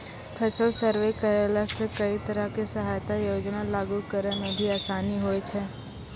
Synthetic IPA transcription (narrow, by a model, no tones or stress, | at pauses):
pʰəsəlsəɾʋekəɾeləsekɐit̪ɐɾəɦkesɐɦaːjt̪ajoːd͡ʒnalaːɡukəɾəmẽbʱiaːsaːniɦoːet͡ʃʰɛː